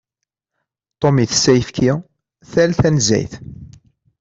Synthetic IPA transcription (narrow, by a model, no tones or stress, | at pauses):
t̪ˤomiθə̥sːæjəfkʰi | θælθænzæ̰jθ